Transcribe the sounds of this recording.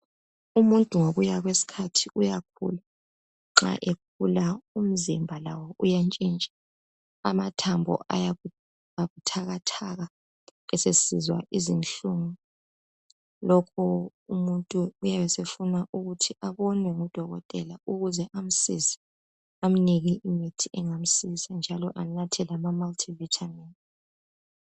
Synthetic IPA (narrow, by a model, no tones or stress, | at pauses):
umuntʼuŋoɣujaɣwesi̥kʰatʰiʔujak̚ʰṵla | ŋ͡ǁa̰ʔek̚ʰulaum̩zimbʱalawɔʔujant͡ʃʼint͡ʃʼḁ | a̰matʰambʱɔ̰ʔa̰ja | aɣutʰaɣatʰaɣa | ɛsesizwa̰ʔizinɬuːŋu | lɔkʰɔ | umuntʼuːjaβɛsefunaʔuɣutʰiʔaβɔnwɛŋud̥ʱɔɣɔ̰tʼɛlauɣuzɛʔam̩sisi̥ | am̩niɣiʔimitʰiɛŋam̩sisand͡ʒʱalɔʔanatʰɛlamamaltʰivitʰamɛntʼi